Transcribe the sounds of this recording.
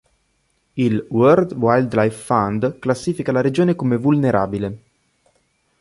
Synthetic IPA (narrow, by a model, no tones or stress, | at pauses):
ilwørd̪wajld̪lajfːand̪klasːiːfikalaɾed͡ʒoːnekomevulneɾʔa̰ːbile